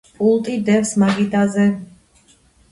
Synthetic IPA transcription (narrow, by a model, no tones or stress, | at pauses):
pʼulˠt̪ʼid̪ɛfsmaɡid̪azɛ